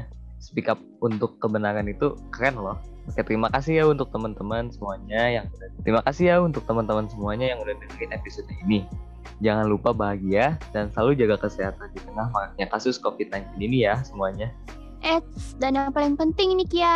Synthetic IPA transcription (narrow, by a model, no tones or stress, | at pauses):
sə̥pikap̚unt̪ʊkːəbənaɾanit̪ukakanlɔhpakɛt̪əɾimakasijaunt̪ʊk̚t̪əmənt̪əmənsəmuaɲajaŋudat̪ɾimakasiɦjaunt̪ʊk̚t̪əmənt̪əmənsəmuaɲajaŋudahdinaŋɪnepisodaini | d͡ʒaŋanlupabaɦaɡiadansəlalud͡ʒaɡakəseɦat̪andit̪əŋahmakak̚ɲakasʊskofit̪̚najnt̪ininijasəmuaɲa | ʔɛt̪danaŋpalɪŋpənt̪ɪŋinikija